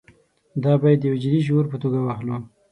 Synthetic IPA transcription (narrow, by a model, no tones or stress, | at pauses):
d̪ɑbɑjad̪ːjawd͡ʒid̪iʒoɾpət̪oɡawaxlu